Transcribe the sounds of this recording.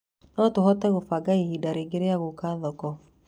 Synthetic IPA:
nɔtohɔtɛɣofaɡaihidaɾeɡeɾeaɣokaðɔkɔ

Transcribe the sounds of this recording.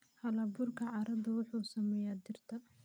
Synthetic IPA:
hɐlɐbʊrkʰɐʕɑɾɐd̪ɐwʊħuːsɐmɛjaːd̪ɪrt̪ʰɐ

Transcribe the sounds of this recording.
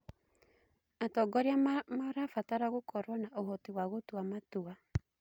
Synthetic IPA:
atɔɡɔɾeammaɾafataɾaɣokʰɔɾwɔnaʔohɔtiwaɣotwamatua

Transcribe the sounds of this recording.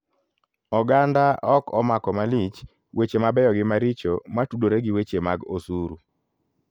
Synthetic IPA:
ɔɡandaɔkɔmakɔmalit͡ʃ | wet͡ʃemabɛjɔɡɪmaɾit͡ʃomatudoɾeɡɪwet͡ʃemaɡosuɾu

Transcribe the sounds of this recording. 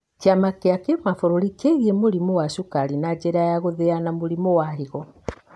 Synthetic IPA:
kiamakeakemafoɾoɾikeɣiemoɾimɔwaɕukaɾinad͡ʒɛɾajaɣoðɛanamoɾimɔwaɦiɣɔ

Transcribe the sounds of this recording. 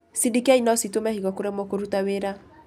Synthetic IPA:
sidikiainɔsitomɛhiɣɔkoɾɛmɔkoɾutaweɾa

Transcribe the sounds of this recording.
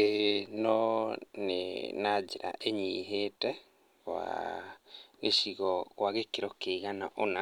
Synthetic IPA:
enɔnḛnad͡ʒeɾa̰ʔeɲiɦetɛ | ɣwa̰ | ɣeʃiɣɔɣwaɣekeɾɔkeiɣana̰ʔona

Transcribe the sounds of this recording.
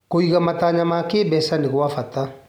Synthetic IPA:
koikamataɲamaːkeːbɛsandɪɡwafata

